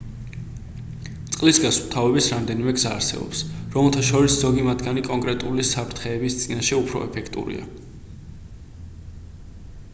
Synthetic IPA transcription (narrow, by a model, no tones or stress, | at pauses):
t̪sʼqʼlisɡasvt̪ʰavɛbisɾamd̪ɛnimɛɡzaːɾsɛ̰bɔ̰psɾɔmɛlˠt̪ʰaʃɔɾiszɔɡimad̪ɡanikʼɔŋkʼɾɛt̪ʼulisapʰɾt̪ʰχɛːbist̪sʼinaʃɛupʰɾɔ̰ɛpʰɛkʰt̪ʼṵɾḭa̰